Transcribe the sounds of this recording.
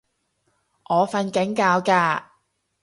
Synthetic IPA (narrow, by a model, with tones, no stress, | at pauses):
ʔɔː˨˧fɐ˧nkɪ˨˥ŋkaː˧wkaː˧